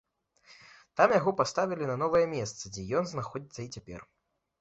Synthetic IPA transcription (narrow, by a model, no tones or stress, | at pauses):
t̪amjaɣɔpast̪avʲilʲinɐnɔvɐjɛmʲɛst̪sɐd͡zʲɛjɔnznaxɔd͡zʲit̪sɐit͡sʲapʲɛ̰r